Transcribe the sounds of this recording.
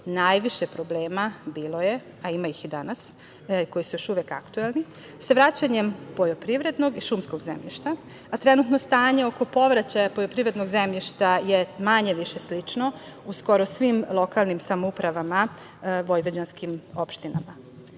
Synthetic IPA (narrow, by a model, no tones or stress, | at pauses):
naːjʋiʃepɾo̞ble̞ːmabiːlo̞je̞ | aimaixid̪anas | ko̞jisujo̞ʃuʋeka̰kt̪uelˠni | saʋɾat͡ɕaɲempo̞jopɾiʋɾe̞d̪no̞ɡiʃumskoɡzḛmʎiʃt̪a | at̪ɾe̞nut̪nost̪aːɲe̞o̞ko̞po̞ʋɾat͡ɕajapojopɾiʋɾe̞d̪noɡzemʎʲiʃt̪ajemaɲe̞ʋiʃeslit͡ʂno̞ | usko̞ɾosʋimlˠo̞kalˠnimsamoupɾaʋama | ʋo̞jʋed͡ʑanskimo̞pʃt̪ina̰ma